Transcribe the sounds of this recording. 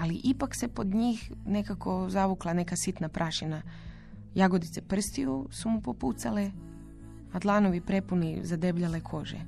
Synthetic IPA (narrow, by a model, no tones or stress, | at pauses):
aliʔipakse̞po̞d̪ɲiːxne̞kako̞zaʋuklˠane̞kasit̪napɾʔaʃina | jaɡo̞d̪it̪se̞pr̩st̪ijusumupo̞put̪sale | ad̪lˠaːno̞ʋipɾe̞punizad̪e̞bʎale̞kʰo̞ʒḛ